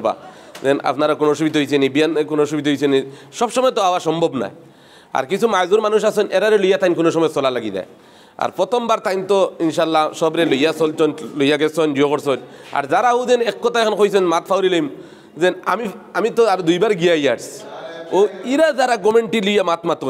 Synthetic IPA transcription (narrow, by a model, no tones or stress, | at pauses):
ba̰zɛna̰pnaɾakonoʃ̬ubid̪ɦojt͡ɕʰenibijankonoʃ̬ubit̪ɦojsʰeniʃɔbʃɔmɔjt̪ɔawaʃɔmbʱɔbna̰j | a̰ɾkit͡ɕʰumajzuɾmanuʃ̬asɔnʔɛɾaɾelojat̪ajnk̬onoʃ̬ɔmɔjsɔlalaɡid̪a̰j | a̰ɾpɾɔt̪ʰɔmbaɾt̪ajnt̪ɔinʃalːaʃɔbɾelojasɔlt͡ʃɔnlojaɡɛsɔnɖiokɔɾsɔɲa̰ɾzaɾauzɛnɛkːɔt̪ʰaekʰanxojsɔnmat̪fʰawɾilojm | zɛna̰miamit̪ɔaɾd̪ujbaɾɡijajaɖsoiɾazaɾaɡɔmeɳʈilujamat̪mat̪ko